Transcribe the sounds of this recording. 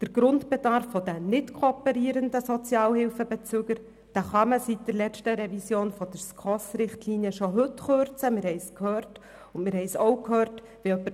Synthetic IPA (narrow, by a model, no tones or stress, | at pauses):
d̪̥əɾɡ̥ɾʊntb̥ɛd̥ɑɾfːɔdənɪtkʰoɔpəɾiːɾəndəsɔt͡sjɑːlhɪlfəbɛt͡søːɡ̥əɾ | d̥æχɑməsit̚d̥əɾlɛt͡ʃtəɾɛvisjoːnfɔd̥̪əɾskχɔsɾɪχtliːniəʃoɦɵtχøɾt͡səmɪɾhɛɪskhøːrt | ʊnmɪɾɦhɛɪsoʊkhøːɾt | veœpːə